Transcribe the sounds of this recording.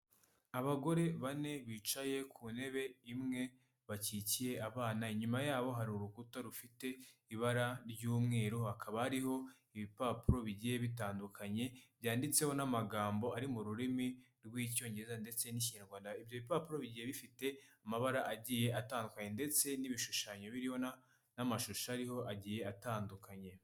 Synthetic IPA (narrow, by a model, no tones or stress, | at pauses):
aβaɡo̞ɾe̞βane̞βit͡ʃaje̞kʰune̞βe̞imŋe̞ | βacicije̞aβaːnaiɲumajaːβo̞ɦaɾiuɾukutaɾufite̞iβaɾaɾɟuːmŋe̞ːɾohakʰaβahaɾiho̞ | iβipaːpuɾo̞βiɟije̞βitaːndukʰaɲe̞βjaːndit͡se̞ho̞namaɡaːmbo̞aɾimuɾuɾimi | ɾɡwiːco̞ːɲe̞ɾezande̞t͡se̞niciɲaɾɡwaːndaibjoiβipaːpuɾo̞βiɟijeβifite̞amaβaɾaʔaɟiːje̞ʔataːndukaɲe̞nde̞t͡se̞niβiʃuʃaɲo̞βiɾihona | namaʃuʃaaɾiho̞ʔaɟiːje̞ataːndukʰaɲe̞